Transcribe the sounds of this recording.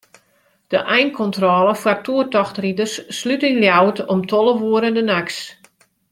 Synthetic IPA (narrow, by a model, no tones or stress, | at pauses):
d̥əʔɛjnkʰɔntrɔːləfwartʰuətɔxtridərsːlytənljawtɔmtʰɔlˠəʋuəɾəndənaks